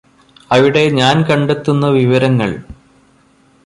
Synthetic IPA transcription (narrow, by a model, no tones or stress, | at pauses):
ɐʋiɽe̞ɲaːnkɐɳɖe̞t̪ːunːɐʋiʋɐɾɐŋːɐɭ